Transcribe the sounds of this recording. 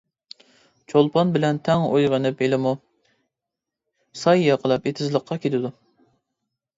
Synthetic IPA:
t͡ʃʰolˠpʰɑnbɪlɛnt̪ʰɛŋojʁənɨpelɪmu | sɑjjɑqʰəlˠɑpet̪ʰɪzlˠəqʰːɑkʲʰet̪ʰɪd̪u

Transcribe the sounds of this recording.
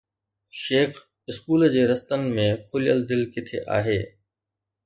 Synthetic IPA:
ʃeːx | ɪskuːld͡ʑeːɾɐst̪ən̆mẽkʰʊlijəld̪ɪlkɪt̪ʰḛʔa̰ːɦeː

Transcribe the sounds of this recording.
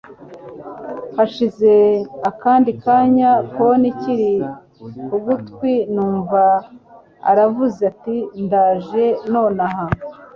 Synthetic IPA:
haʃize̞akaːndikaːɲakoniciɾi | uɡutkwinuːɱva | a̰ɾavuzatindaːʒe̞no̞ːnaha

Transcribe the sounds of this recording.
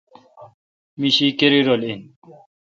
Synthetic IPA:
miɕikeɾiɾolin

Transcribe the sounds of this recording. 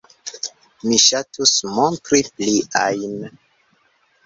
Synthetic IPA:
miʃatusmõntɾipliajn

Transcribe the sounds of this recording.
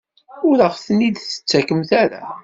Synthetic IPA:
ʊɾəʁθənːid̪θə̥t͡sːækəmθaɾa̰

